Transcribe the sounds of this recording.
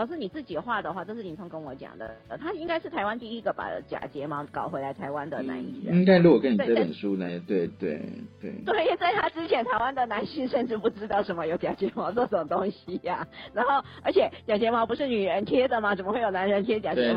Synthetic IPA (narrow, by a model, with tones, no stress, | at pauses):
ɑ˨˩ʊʂ̬̩˥˩ni˨˩t͡sɹ̩˥˩t͡ɕi˨˩də˦xwa˥˩d̪ə˩xwa˥˩ʈ͡ʂɤ˥˧ʂɻ̩˥˩ni˨˩t͡sʰʊ˥ŋkə˥nwɔ˧˦t͡ɕjɑ̰˨˩ŋd̪ə̰˩ə˩t̪ʰa˥i˥ŋka˥ɪʂɻ̩˥˩t̪ʰa˧˥ɪwa˥nt̪i˥˧i˥ɡə˨pa̰˨˩t͡ɕja̰˨˩t͡ɕjɛ˧˥mɑ˧˥kɑ˨˩ʊxe˧˥la˧˥ɪt̪ʰa˧˥ɪwa˦˥nd̪ə˨na̰˧˥nḭ˥˩ɻə̰˧i˦˥ŋka˥ɪlu˥˩wɔ˨˩kə˥ni˨˥˩ʈ͡ʂɤ˥˩˥ə̰˨˩nʂu˥la˧˥t̪we˥˩ɪt̪we˥˩ɪt̪we˥˩t̪we˥˩ɪ˥˩t͡sa˥˩ɪt̪ʰa˥ʈ͡ʂɻ̩˥t͡ɕʰjɛ˧˥nt̪ʰa˧ɪwa˥nd̪ə˨na˧˥nɕi˥˧ʂə˥˧nʈ͡ʂɻ̩˥˧pu˥˩ʈ͡ʂɻ̩˥t̪ɑ˥˩ʊʂə˧˥nmə˧jo˧˥ʊt͡ɕja˨˩t͡ɕjɛ˧˥mɑ˧˥ʊt͡sɔ˥˩ʂə˧˥˩mə˦˩t̪o˥ŋɕi˨a˨˩na˧˥nxo˥˩ʊə˞˧˥t͡ɕʰjɛ˨˩t͡ɕja˨˩t͡ɕjɛ˧˥mɑ˧˥ʊpu˧˥ʂɻ̩˥˩ny˨˩ɻə˧˥nt̪ʰjɛ˥d̪ə˨ma˩ʈ͡ʂə˨˩mə˧˦we˥˩jo˨˩ʊna˧˥nɻə˧˥nt̪ʰjɛ˥t͡ɕja˨˩t͡ɕɛ˧˥˧